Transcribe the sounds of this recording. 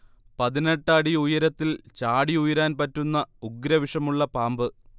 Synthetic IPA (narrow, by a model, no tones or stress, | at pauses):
pɐðineʈːɽiujɐɾɐt̪ːilt͡ɕaːɽiujɐɾaːnpɐtːunːɐuɡɾɐʋiʂɐmuɭːɐpaːmbɨ